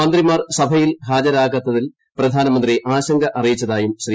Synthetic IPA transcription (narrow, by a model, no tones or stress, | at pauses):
ɐnd̪rimaːrsɐbʱɐjilɦaːd͡ʑɐɾaːɣɐt̪ːɐðil | prɐd̪ʱaːnɐmɐnd̪riʔaːɕɐŋɡʱɐʔɐrijit͡ɕːɐðaːjumɕriː